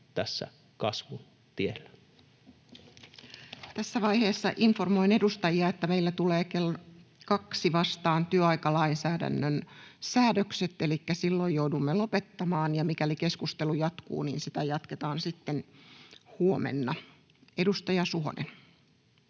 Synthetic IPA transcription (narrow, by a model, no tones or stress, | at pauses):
t̪æsːæ̰ | kɑsʋun | t̪ielːæ | t̪æsːæʋɑihe̞ːsːɑʔiɱformo̞ine̞dust̪ɑjiɑet̪ːæmeilːæt̪uleːkelːkɑksiʋɑst̪ɑːnt̪yøɑikɑlɑinsæːdæ̰nːønsæːdøkset̪ːelikːæsilːojjoudumːelopet̪ːɑmɑːnjɑmikælikeskust̪elujɑt̪kṵːnḭːnsit̪æjɑt̪ket̪ɑːnsit̪ːen | huomḛnːɑ | edust̪ɑjɑsuɦo̰nʔḛn